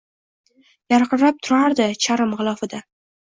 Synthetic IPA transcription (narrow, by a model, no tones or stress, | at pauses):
jaɾqɨɾap̚t̪ʰʊɾaɾd̪ɪt͡ʃʰaɾɪmʁɨlˠɒfɪd̪a